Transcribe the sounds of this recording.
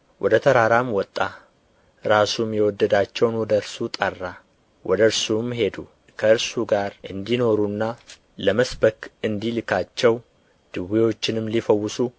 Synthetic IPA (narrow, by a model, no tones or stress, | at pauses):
wʔɔd̪ət̪ʰəɾaɾamwɔt̪ʼːa | ɾasumjɛwɔd̪ːəd̪at͡ʃːɛwnwɔd̪əɾsut̪ʼərːa | wʔɔd̪əɨɾsumɦe̞d̪u | kʰəɨɾsuɡaɾʔɨnd̪ino̞ɾunːa | ləməsbəkɨnd̪ilɨkʰat͡ʃːɛw | d̪̥ɨwiwo̞t͡ʃːɪnɨmːlifəwːɨsu